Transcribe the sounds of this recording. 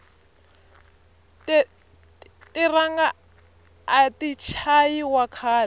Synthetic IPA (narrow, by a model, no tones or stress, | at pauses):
tiraŋɡaː | tit͡ʃʰajiwakʰaːlɛ